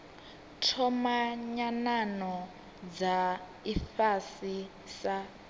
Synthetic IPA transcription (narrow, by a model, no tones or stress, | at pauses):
tʰɔmaɲananɔ | d͡za | ifasi | sa